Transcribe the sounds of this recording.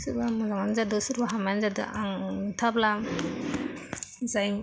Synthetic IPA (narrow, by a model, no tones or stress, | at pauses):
suɾbamɔzaŋanzadusuɾbaɦamanzadɯ̰ʔaŋtʰabla | zajm